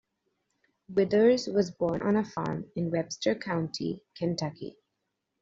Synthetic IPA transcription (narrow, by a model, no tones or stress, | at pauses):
wɪd̪əɹzwɔzbɔːɾnʔə̰̃nəfɑ̰ːɹmɪ̃nwɛb̥stə˞kʰãʊ̃nʈʰḭkʰæ̃ntʰʌkḭ